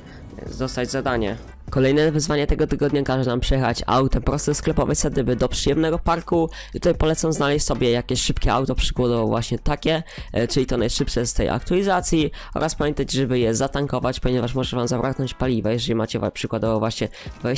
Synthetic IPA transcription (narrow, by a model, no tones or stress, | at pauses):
zɔst̪ad͡ʑzad̪aɲɛ̰ | kɔlɛjnɛvɘzvaɲɛt̪ɛɡɔt̪ɘɡɔd̪ɲakaʐɛnampʂɛjɛxa̰t͡ɕa̰wt̪ɛpɾɔst̪ɛsklɛpɔvɛsɛd̪ɘbɘd̪ɔpʂɨjɛmnɛɡɔpaɾku | t̪ut̪ajpɔlɛt̪samznalɛɕt͡ɕʲsɔbʲjɛjakʲɛɕʂɘpkʲɛawt̪ɔpʂɘ̥ɡwɔd̪ɔvɔwvwaɕɲɛt̪akʲɛt͡ʂɘlʲit̪ɔnajʂɘpʂɛst̪ɛja̰kt̪ualʲizat̪sʲjiɔ̰ɾaspamʲjɛnt̪at͡ɕʐɛbɘjɛzat̪aŋkɔvat͡ɕpɔɲɛvaʂmɔʐɛvamzabɾaknɔɲt͡ɕpalʲivajɛʐɛlʲimat͡ɕɛva̰pʂɘkwad̪ɔvɔvwaɕɲɛvɛ